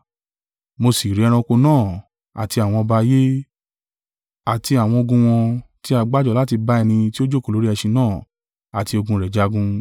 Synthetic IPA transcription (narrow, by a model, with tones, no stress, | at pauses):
mo˧si˨ɾi˨˧ɾ̃ɔ̃˧ko˧nãː˦˨ | a̰˨ti˧a˨w̃ɔ̃˧ba˧je˦ | a˨ti˧a˨w̃ɔ̃˧o˧ɡũ˧w̃ɔ̃˧ti˦a˧ɡ͡ba˦d͡ʒɔ˦˨la˨˦t̬i˧ba˦ɛ˧nĩ˧ti˦o˦d͡ʒo˦ko˨lo˦ɾi˦ɛ˧ʃi˧nãː˦˨ | a˨ti˧o˧ɡũ˧ɾɛ˨d͡ʒa˧ɡũ˧